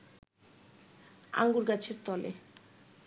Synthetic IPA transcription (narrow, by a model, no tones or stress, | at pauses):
a̰ŋɡuɾɡat͡ɕʰeɾt̪ɔlḛ